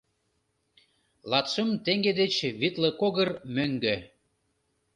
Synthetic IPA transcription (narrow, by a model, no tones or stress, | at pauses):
lˠɑt̪ʃəmt̪eŋɡed̪et͡ɕβit̪lə̆koɣərmøŋɡø